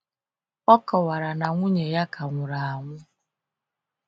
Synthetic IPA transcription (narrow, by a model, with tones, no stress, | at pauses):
ɔ˦kɔ˨wa˨ɾa˨na˨ŋʷu˦ɲe˨ja˦kʰa˨ŋʷʊ˨ɾa˨a˨ŋʷʊ˦